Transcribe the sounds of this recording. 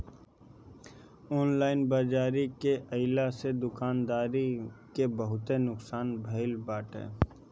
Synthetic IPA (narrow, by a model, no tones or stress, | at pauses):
ɔːnlaːɪnbaːd͡ʒaːɾikeʔɐɪlased̪ʊkaːnd̪aːɾikebəɦʊt̪enʊksaːnbʱɐɪlbaːʈɦɛ̰ː